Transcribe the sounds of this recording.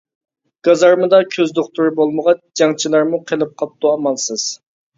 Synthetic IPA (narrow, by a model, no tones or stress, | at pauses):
ɡ̥ɑzɑɾmɨd̪ɑkʲʰøzd̪oχt̪ʰuɾɪbolˠməʁɑt͡ʃd͡ʒɑŋt͡ʃʰilˠɑɾmuqʰelˠɨp̚qʰɑp̚t̪ʰuɑmɑlˠsɨz̥